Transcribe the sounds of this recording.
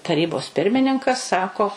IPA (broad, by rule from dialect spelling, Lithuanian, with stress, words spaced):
tɐˈrʲiːboːs ˈpʲɪrʲmʲɪnʲɪŋkɐs ˈsɑːkoː